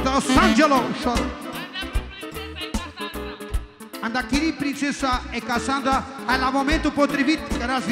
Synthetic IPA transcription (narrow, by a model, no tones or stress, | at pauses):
d̪asãnd͡ʒeloʃɔ | ãnd̪akiɾipɾĩnsesaekasãnd̪aalamomẽnt̪upot̪ɾibit̪kɾaz